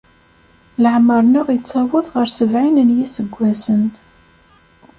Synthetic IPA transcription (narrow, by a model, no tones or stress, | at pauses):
ləʕməɾˤnʊʁjt͡sːɑwʊðˤʁəɾsəvʕinənjisəɡʷːæsən